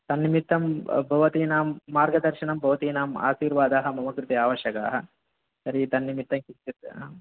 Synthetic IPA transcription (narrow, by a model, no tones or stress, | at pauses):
t̪ɐnːimit̪ːɐmbʱɐʋɐt̪iːnaːmːaːɾɡɐd̪ɐɾʃinɐmbʱɐʋɐt̪iːnaːma̰ːʃiːɾʋaːd̪aːɦɐ̆mɐmɐkɾut̪iaːʋɐʃjɐka̰ːɦɐ | sɐɾit̪ɐnːimit̪ːɐmkit̪it̪